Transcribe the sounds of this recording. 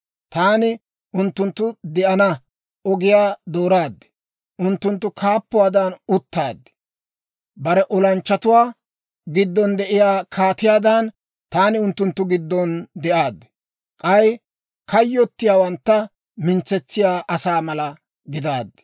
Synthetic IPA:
t̪aːnɪ | ʊnt̪ːʊnt̪ːʊd̪ɛʔɐnɐ | ɔɡɪjaːd̪oːɾaːd̪ːɛ̥ | ʔʊnt̪ːʊnt̪ːʊkʰaːpːʊwaːd̪ɐnʊt̪ːaːd̪ːɛ̥ | bɐɾɛʔɔlɐnt͡ʃːɐt̪ʊwaː | ɡɪd̪ːɔnd̪ɛʔɪjaːkʰaːt̪ɪjaːd̪ɐn | t̪aːnɪʊnt̪ːʊnt̪ːʊɡɪd̪ːɔnd̪ɛʔaːd̪ːɛ̥ | kʼɐj | kɐjːɔt̪ːɪjaːwɐnt̪ːɐ | mɪnt͡sːɛt͡sːɪjaːʔɐsaːmɐlɐ | ɡɪd̪aːd̪ːɛ̥

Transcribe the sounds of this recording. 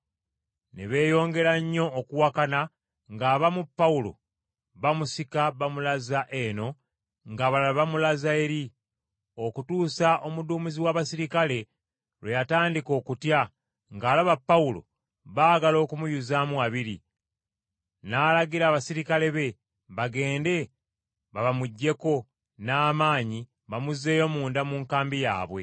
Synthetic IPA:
nḛβe̞ːjo̞ːŋɡe̞ɾaɲːo̞ːkuwakana | ŋɡaːβamupːaulo̞̰ | βamusikaβamulazaʔe̞no̞ | ŋɡaβalβamulazaeɾi | o̞kutuːsaʔo̞muduːmiziwaːβasiɾikale̞ | lwejataːndiko̞ːkutja | ŋɡaːlaβapːaulo̞̰ | βaːɡalo̞ːkumujuzamuaβiɾi | naːlaɡiɾaːβasiɾikale̞βe̞ | βaɡe̞ːnde̞ | βaβamuɟːe̞ko̞ | naːmaːɲi | βamuze̞ːjo̞muːndamuːŋkaːmbija̰ːβwe̞̰

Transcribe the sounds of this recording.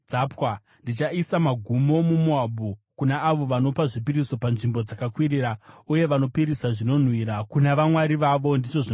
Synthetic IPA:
d͡zapwa | ndit͡ʃaisamaɡʱumo̞mumuaɓukunaaʋo̞ʋano̞paʐipiɾiso̞panʐimbo̞d͡zakakwiɾiːɾauje̞ʋano̞piɾisaʐino̞n̤wiɾakunaʋamwaɾiʋaʋo̞ndit͡ʃo̞ʐi

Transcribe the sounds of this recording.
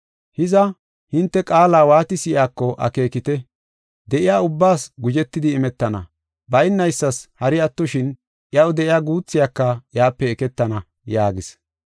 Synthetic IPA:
hɪzɐ | hɪnt̪ːɛkʼaːlaːwaːt̪ɪsɪʔjaːkːɔʔɐ̰ke̞ːkɪt̪ɛ | d̪ɛʔɪjaːʊbːaːsɡʊd͡ʒɛt̪ːɪd̪ɪːmɛt̪ːɐnɐ̰ | bɐjɪnːɐjsːɐshɐɾɪɐt̪ːʊʃɪn | ʔjɐwd̪ɛʔɪjaːɡuːt͡sːɪjakːɐjaːpːɛːkɛt̪ːɐnɐ | jaːɡɪs

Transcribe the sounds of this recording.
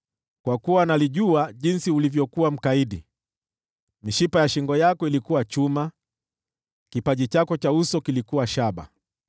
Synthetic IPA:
kwakuwanaliʄuaʄinsiulivjɔkuwam̩kaiɗi | miʃipajaʃiŋɡɔjakɔilikuwat͡ʃuma | kipaʄit͡ʃakɔt͡ʃausɔkilikuwaʃaɓa̰

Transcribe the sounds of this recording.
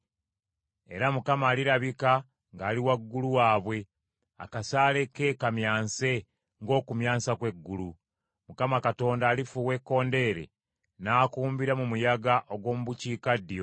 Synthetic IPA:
eɾamukamaːliɾaβika | ŋɡaːliwaɡːuluwaːβwe̞ | a̰kasaːle̞kːe̞kamjaːnse̞ | ŋɡo̞ːkumjaːsakwe̞ɡːulu | mukamakato̞ːndaːlifuwe̞kːo̞ːnde̞ːɾe̞̰ | naːkuːmbiɾamumujaɡaʔo̞ɡwo̞ːmuβuciːkadːijo̞

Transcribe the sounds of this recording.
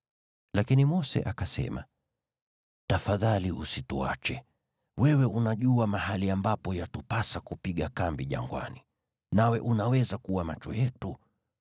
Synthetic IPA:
lakinimɔsɛ̰ʔakasɛ̰ma | tafaðaliusitṵa̰t͡ʃɛ | wɛwɛʔunaʄuamaɦaliambapɔjatupasakupiɠakambiʄa̰ŋɡwa̰ni | nawɛʔunawɛzakuwamat͡ʃɔ̰jɛtu

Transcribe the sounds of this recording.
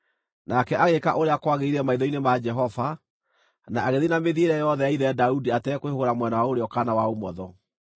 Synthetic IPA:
nakɛaɣekaʔoɾeakwaɣeiɾɛmaiðɔinemad͡ʒɛɦɔva | naaɣeðinameðieɾɛjɔðɛjaiðɛadaudiatɛkowehoɾamwɛnawaoɾeɔkanawaomɔðɔ

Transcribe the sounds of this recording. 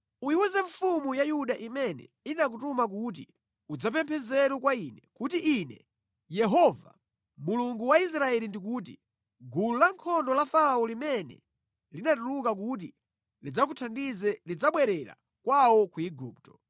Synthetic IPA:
ujiwɛzɛffumujajuɗaʔimɛnɛ̰ | inak̬utumak̬ut̬ḭ | ud͡zapɛmpʰɛzɛɾukwainɛkutiʔːnɛ | jɛɦɔva̰ | muluŋɡuwais̬ɾaɛlindik̬uːt̬i | ɡululaŋkʰɔndɔlafalaɔlimɛnɛ̰ | linatulukak̬ut̬i | lid͡zak̬utʰandizɛlid͡zaɓwɛɾɛɾa̰ | kwawɔkuiɡuːptɔ

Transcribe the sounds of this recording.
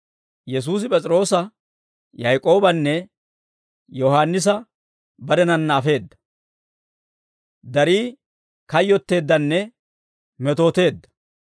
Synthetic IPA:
jɛs̬uːs̬ɪpʼɛt͡sʼɾo̞ːsɐ | jɐjkʼo̞ːbɐnːɛ | jɔhaːnːɪs̬ɐ | bɐd̪ɛnɐnːaːfe̞ːd̪ːɐ | d̪ɐɾiː | kɐjːɔt̪ːe̞ːd̪ːɐnːɛ | mɛt̪o̞ːt̪e̞ːd̪ːɐ̥

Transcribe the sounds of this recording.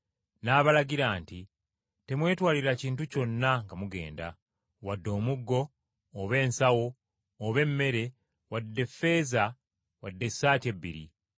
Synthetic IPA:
naːβalaɟiɾaːnti | te̞mwe̞ːtwaːliɾaciːntuco̞nːaŋɡamuɡe̞̰ːnda̰ | wadːo̞ːmuɡːo̞ː | βe̞ːnsawo̞ː | βe̞mːe̞ɾe̞ | wadːe̞fːe̞za | wadːe̞sːaːte̞bːḭɾḭ

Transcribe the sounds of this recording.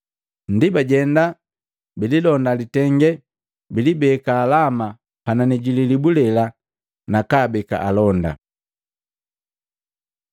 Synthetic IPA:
n̩dibaɟɛnda | bililɔndalitɛŋɡɛ | bilibɛkaːlama | pananiɟililibulɛla | nakaːbɛka̰ʔalɔnda̰

